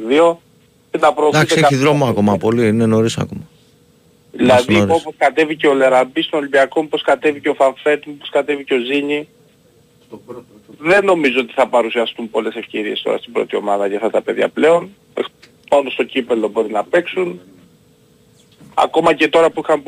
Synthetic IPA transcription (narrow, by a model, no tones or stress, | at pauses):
ðio̞ | enɐpɾoːθd̪ɐkseeɐiðɾomoko̞mɐpo̞linenoɾisɐ̰komɐ | ðilɐðio̞poskɐt̪e̞vice̞o̞le̞ɾɐbist̪onolimbiɐko̞mupo̞skɐt̪e̞viceo̞fɐɱfe̞t̪mupo̞skɐt̪e̞viceo̞ziɲi | ðe̞no̞mizoot̪i̥θɐpɐɾusiɐst̪umpo̞le̞se̞fce̞ɾie̞st̪o̞̰ɾɐ̰st̪ibɾo̞̰t̪io̞mɐðɐʝɐft̪ɐt̪ɐpe̞ðʝɐ̰ple̞o̞n | e | pɐnost̪o̞cipe̞lo̞bo̞ɾinɐpe̞ksun | ɐ̰ko̞mɐce̞t̪o̞ɾɐpuixɐm